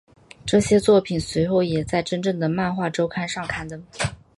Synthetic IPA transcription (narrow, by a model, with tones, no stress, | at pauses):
ʈ͡ʂɤ˥˩ɕjɛ˥t͡swɔ˥˩pʰi˨˩nswe˧˥ɪxo˥˩ʊjɛ˨˩t͡sa˥˩ɪʈ͡ʂə˥nʈ͡ʂɤ˥˩ŋd̪ə˩ma˥˧nxwa˥˩ʈ͡ʂo˥ʊkʰa˥nʂɑ˥˩ŋkʰa˥nd̪ə˨